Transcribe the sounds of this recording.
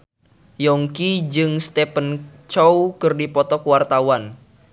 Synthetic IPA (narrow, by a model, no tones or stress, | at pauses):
jɔŋkid͡ʒɨŋst̪epənt͡ʃɔwkərdipɔt̪ɔkuwart̪awan